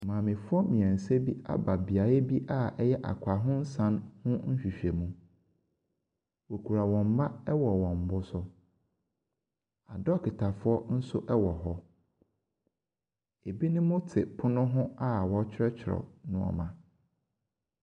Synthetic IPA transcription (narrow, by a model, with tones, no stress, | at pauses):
mãː˨mɪ̃˨fʊ˦ɔ˦mĩ˨ɛ̃˨n̩˨se˦bi˦a̰˦ba˨bi˨a˨e˦bi˦ʔa˦ɛ˦jɛ˦ʔa̰˨kʰʷa˨ɦʊ̃˦n̩˦sã˦nhʊ̃˦n̩˦ɕᶣi˨ɕᶣɛ˨mũ˦ | wo˨kʰu˨ɾa˨wɔ̃˨m̩˨ba˦ɛ˦wɔ˨wɔ̃˨m˨bʊ˦sʊ˦ | a˨dɔ˦kʰɪ˨tʰa˨fʊ˦ɔ˦n̩˦sʊ˦ʔɛ˦wɔ˨ɦɔ˦ | e˨bi˦nʊ̃˦mʊ̃˦tʰɪ˨pʰʊ˦nʊ̃˦ɦʊ̃˦a˦wɔ̃˨˦t͡ɕʰᶣɾɛ˦t͡ɕʰɪ˨ɾɔ̰˨nʊ̃˦ɔ̰˨mã˨